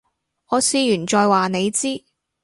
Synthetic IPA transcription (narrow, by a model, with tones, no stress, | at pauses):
ŋɔː˨˧siː˨˧jyː˨˩t͡ʃɔː˨jwaː˨ne˨˧jt͡siː˥